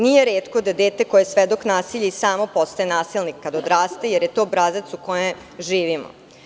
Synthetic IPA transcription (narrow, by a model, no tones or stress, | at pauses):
nijeɾeːt̪kod̪ad̪eːt̪e̞kojesʋed̪o̞knaːsiʎeisaːmo̞post̪aenaːsilnikkːad̪od̪ɾaːst̪e̞jeɾjet̪o̞ːbɾazat̪sukoje | ʒiːʋimo̰